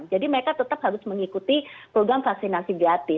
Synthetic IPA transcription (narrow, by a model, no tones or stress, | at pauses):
nd͡ʒadiməɾekat̪ət̪əp̚haɾʊsməŋikut̪ipɾoɡɾamfaksinasiɡat̪ɪ